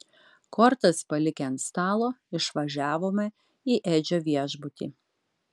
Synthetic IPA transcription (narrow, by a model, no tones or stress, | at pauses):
kʰɔɾt̪ɐspɐlʲɪkʲɛnst̪ɑːlˠoːɪʃʋɐʒʲæːʋoːmɐ | iːʔeːd͡ʒʲoːʋʲiɛʒbʊt̪ʲḭː